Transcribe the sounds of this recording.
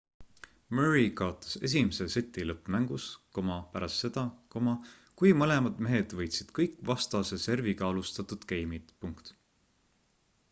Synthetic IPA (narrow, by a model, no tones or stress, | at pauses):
møɹikɑot̪ːˑɑ̥se̞̰s̬ʲimese̞set̪ːˑilɤpːˑmæŋɡ̥usko̞mɑpæɾʔɑst̪ːe̞d̪̥ɑkomɑ | kujmɤle̞mɑd̪̥me̞ɦe̞d̪̥vɤjt̪sid̪̥kɤjkːˑvɑst̪ɑse̞se̞rvikɑɑlust̪ɑt̪ːud̪̥kejmit̪puŋkt̪